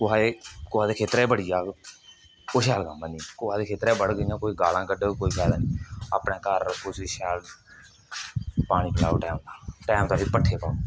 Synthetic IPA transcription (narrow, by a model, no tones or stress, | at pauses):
kʊɦaːeːkʊɦaːd̪eːkʰeːt̪ɾɛːbəɽijaː | koːʃɛːlkəmãːnĩːkʊãːd̪eːkʰeːt̪ɾɛːbəɽɡəijãːkoːiːɡaːlãːkəɖeːkoːiːkʰɛːlãːniːa̰ːpɳeːkəɾʊsiːʃɛːl | paːɽ̃iːkɪlaːoːʈɛːmt̪ãːʈɛːmt̪ãːbiːpəʈʰːeːpaːo